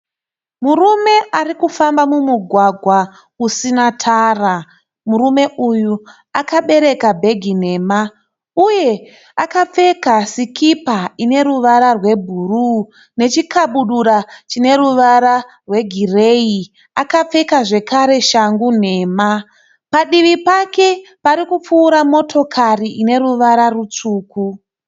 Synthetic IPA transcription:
murume̞ʔarikufambamumuɡʱwaɡʱwa | usinatʰaːra | murume̞ʔuju | akaɓe̞ɾe̞kabʱe̞ɡʱine̞ːma | uje̞ | akap͡fe̞kasikipaine̞ɾuʋaɾarwe̞bʱuru | ne̞t͡ʃikʰaɓuɗuɾat͡ʃine̞ɾuʋaɾa | rwe̞ɡʱirei | akap͡fe̞kaʐe̞kaɾe̞ʃaŋɡun̤e̞ːma | paɗiʋipake̞paɾikup͡fuːɾamo̞tʰo̞kʰariʔine̞ɾuʋaɾarut͡suːku

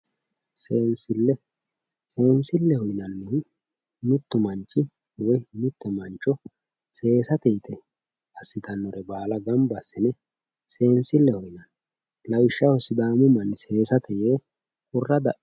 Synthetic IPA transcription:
seːnsɪlːɛ | se̞ːnsɪlːɛhɔjnɐnːɛ | mɪt̪ːʊmɐnt͡ʃʼːɪ | wɔjmɪt̪ːɛmɐnt͡ʃːɔ | se̞ːsɐt̪ɛjt̪ʰɛ | ɐsːɪd̪ɐnːɔɾɛbaːlɐɡɐmbɐsːɛnɛ | se̞ːnsɪlːɛhɔjnɐn | lɐwɪʃːɐhɔsɪd̪aːmʊmɐnse̞ːsɐt̪ɛjeː | kʊrːɐd̪ɐʔ

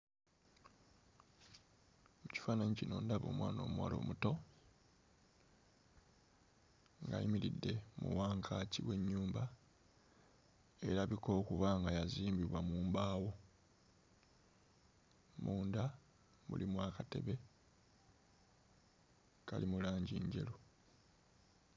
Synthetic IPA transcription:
muci̥faːnaɲicino̞ːndaβo̞ːmwa̰ːno̞̰ːmwa̰ːlo̞̰ːmuto̞ | ŋɡa̰jḭmiɾidːe̞mṵwaːŋkʰaːciwe̞ɲːuːmba | e̞ɾaβiko̞ːkuβaŋɡajaziːmbiβwamuːmbaːwo̞ | muːnda | βṵlimwaːkate̞̰βe̞ | ka̰limulaːɲɟiːɲɟe̞̰lo

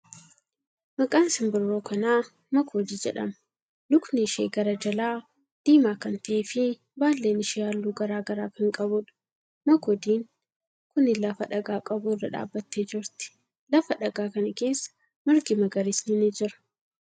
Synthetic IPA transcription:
mɐkʼaːnsɪmbɪrːoːkɐnaː | mɐkʰoːd̪iːd͡ʒɛᶑɐmɐ̥ | lʊknɪɪʃeːɡɐɾɐd͡ʒɐlaː | d̪̥iːmaːkɐnt̪ɐʔeːfɪ | baːlːeːnɪʃɪjaːlːuːɡɐɾaːɡɐɾaːkɐŋkʼɐbʊᶑɐ̥ | mɐkɔd̪iːŋ | kʊnɪlɐfɐᶑɐɡaːkʼɐbʊɪrːɐᶑa̰ːbːɐt̪ːeːd͡ʒɪɾt̪ɪ̥ | lɐfɐᶑɐɡaːkɐnɐke̞ːsːɐ̥ | mɐɾɡɪmɐɡɐɾɪsnɪnɪd͡ʒɪɾɐ̥

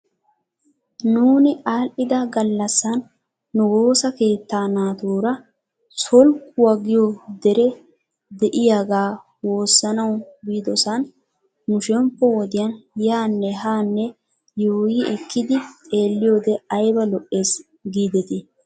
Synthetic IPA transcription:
nuːnɪʔaːlʔɪd̪ɐɡɐlːɐsːɐnː | ʊwo̞ːsɐke̞ːt̪ːaːnaːt̪uːɾɐ | sɔlkʊwaɡɪjod̪ɛɾɛ | d̪ɛʔɪjaɡaː | wo̞ːsːɐnɐwbiːd̪ɔsɐn | nʊʃɛmpːɔwɔd̪ɪjɐnjaːnːɛɦaːnːɛ | juːjɪɛkʰːɪd̪ɪt̪ʼe̞ːlːɪjoːd̪ɛɐjbɐlɔʔːe̞ːs | ɡiːd̪ɛt̪ɪ

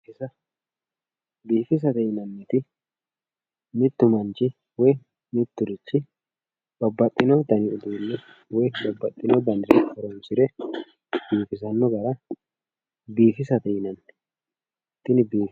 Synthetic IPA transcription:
ɪsɐ | biːfɪs̬ɐt̪ɛjɪnɐnːɛt̪ɪ | mɪt̪ːʊmɐnt͡ʃɪ | wɔj | mɪt̪ːʊɾɪt͡ʃːɪ | bɐbːɐt̪ʼːɪnɔt̪ɐnɪʊd̪uːlːɛ | wɔjbɐbːɐt̪ʼːɪnɔd̪ɐnɾfɔɾɔmsɪɾɛ | biːfɪs̬ɐnːɔɡɐɾɐ | biːfɪsɐt̪ɛjɪnɐnːɛ̥ | t̪ːɪnbiː

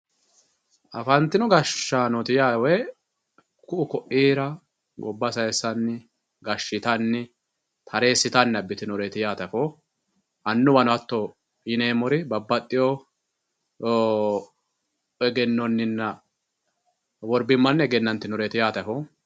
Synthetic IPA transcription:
ʔɐfɐnt̪ːɪnʊɡɐʃːaːnɔt̪ɪjaːwɛ | kʊʔʊkɔʔiːɾɐ | ɡɔbːɐsɐjɛsɐnːɪ | ɡɐʃːɪt̪ɐnːɪ | t̪ʰɐɾe̞ːsːɪt̪ɐnːɐbːɪt̪ɪnɔɾeːt̪ɪjaːt̪ɐfo | ʔɐnːʊbɐnʊɐt̪ːɔ | ɪneːmɔɾɪbɐbːɐt̪ʼːɪjo | ɛɡɛnːɔnːɪnːɐ | wɔɾbɪmːɐnːɛɡɛnːɐnt̪ːɪnɔɾeːt̪ɪjaːt̪ɐfɔ

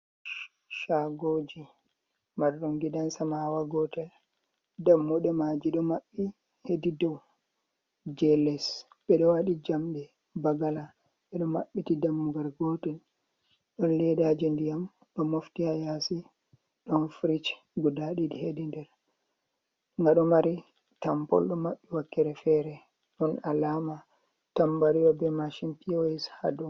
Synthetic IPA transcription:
ʃaɡod͡ʒi | maɗɔŋɡidansamawaɡɔtɛl | damːɔɗɛmad͡ʒiɗɔmaɓːi | hedidɔw | d͡ʒɛlɛs | ɓɛɗɔwaɗid͡ʒamɗɛ | baɡala | ɓɛɗɔmaɓːitidamːuɡaɾɡɔtɛn | ɗɔnlɛdad͡ʒindijam | ɗɔmoftihajasi | ɗɔnfɾit͡ʃ | ɡudaɗidihedindɛɾ | ŋɡaɗɔmaɾi | tampɔ̰lɗɔmaɓːiwakːɛɾɛfɛɾɛ | ɗɔnalama | tambaɾiɔbɛmaʃimpioɛsha̰du

